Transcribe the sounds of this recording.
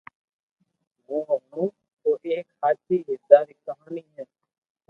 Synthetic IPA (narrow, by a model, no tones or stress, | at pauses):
ɡoːʋənũː | t̪oːʔeːkhaːtiːɦɪsaːɾiːkəɦaːɳiːɦɛː